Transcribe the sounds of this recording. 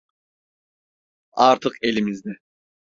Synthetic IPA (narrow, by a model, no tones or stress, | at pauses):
ɑɾt̪ʰɯqe̞lʲimizd̪ɛ